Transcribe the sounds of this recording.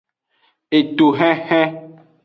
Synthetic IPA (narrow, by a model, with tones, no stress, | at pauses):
e˨t̪o˨ɦɛ̃˦hɛ̃˦